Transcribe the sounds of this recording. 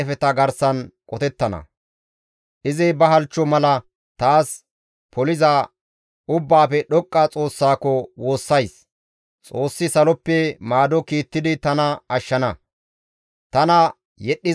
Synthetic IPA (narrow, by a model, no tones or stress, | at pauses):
ɛfɛt̪ɐɡɐɾsɐnkʼɔt̪ɛt̪ːɐnɐ̰ | ʔɪzɪbɐɦɐlt͡ʃːɔmɐlɐ | t̪aːs | pʰɔlɪzɐ | ʊbːaːpɛɗɔkʼːɐt͡sʼo̞ːsːaːkɔwo̞ːsːɐjs | t͡sʼo̞ːsːɪsɐlɔpːɛmaːd̪ɔkiːt̪ːɪd̪ɪt̪ɐnɐɐʃːɐnɐ | t̪ɐnɐ | jɛɗːɪ